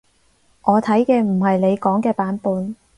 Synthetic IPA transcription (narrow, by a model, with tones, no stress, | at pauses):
ʔɔː˨˧t̪ʰɐ˨˥jkɛː˧m̩˨˩hɐ˨jle˨˧jkɔː˨˥ŋkɛː˧paː˨˥npuː˨˧n